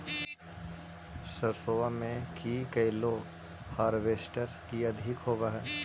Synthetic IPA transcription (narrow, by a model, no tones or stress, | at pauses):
səɾsoːʋamẽkʰikɐɪlo | haːɾʋeːsʈəɾkiɐd̪ʱɪkɦoːɡaɦɛː